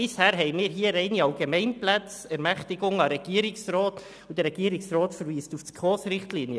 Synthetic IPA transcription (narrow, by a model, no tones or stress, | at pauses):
ɪshæːɾɦɛɪmiːɾɦiːəɾɛɪniɑlɡemɛɪnplæt͡s | ɛɾmæχtɪɡʊŋɑɾɛɡ̥iəɾɪksrɔːt | ud̥əɾɛɡ̥iːɾɪksrɔːtfəɾviːstuftɡ̥ʁoːsɾɪχtliːnjə